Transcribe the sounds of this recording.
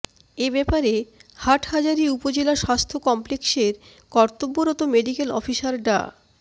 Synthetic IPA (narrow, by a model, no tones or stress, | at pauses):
ebɛpaɾehaʈhad͡ʑaɾiupod͡ʑelaʃast̪ʰokɔmplekseɾ | kɔɾt̪obːoɾɔt̪omeɖikelɔ̰fiʃaɾɖa̰